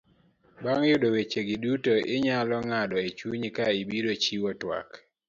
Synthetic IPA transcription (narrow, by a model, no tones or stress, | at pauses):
baŋjʊdowet͡ʃeɡɪdutoʔɪɲalɔŋadɔet͡ʃuɲikaibiɾot͡ʃiwɔtwa̰k